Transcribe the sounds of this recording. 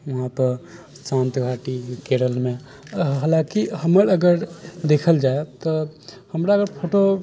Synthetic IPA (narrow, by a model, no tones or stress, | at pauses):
ʋɐɦãpəɾ | sãːnt̪ɡʱaːʈikeːɽəlmẽ | ɦaːlãkiɦɐməɾɐɡəɾd̪eːkʰəld͡ʒaːet̪ohɐmɾaəɡəɾpʰoːʈo